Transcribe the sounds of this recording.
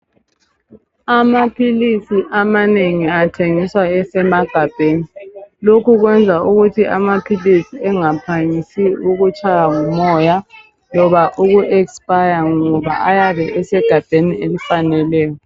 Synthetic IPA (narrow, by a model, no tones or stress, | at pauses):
amapʰilisiʔamaneŋiatʰeŋiswaɛsɛmaɡ̥ʱab̥ʱeːnilokuɣwɛnd͡zʱauɣutʰiʔa̰mapʰilisiɛŋapʰaŋisiuɣut͡ʃʼajaŋumɔja | lɔβaʔuɣuʔɛkspajaŋɔβa̰ʔajaβɛʔɛsɛɡ̥ʱab̥ʱenielifanɛlɛːjɔ